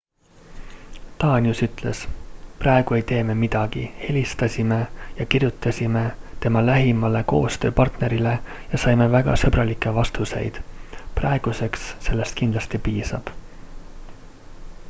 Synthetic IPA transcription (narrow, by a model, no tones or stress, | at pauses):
t̪ɑːnʲiusyt̪ˑle̞sprɑe̞ɡ̥ue̞jt̪e̞ːme̞mid̪̥ɑɡ̥ihe̞lʲist̪ɑsʲime̞jɑkirjut̪ːˑɑsʲime̞t̪e̞mɑlæɦimɑle̞ko̞ːst̪ø̞ːpɑrt̪ne̞ɾile̞ | jɑsɑjme̞væɡ̥ɑ̰sɤbɾɑlikːˑe̞vɑst̪use̞̰jd̪̥prɑeɡ̥use̞ksːe̞lːe̞st̪̚kind̪lɑst̪ipiːsɑ̰b̥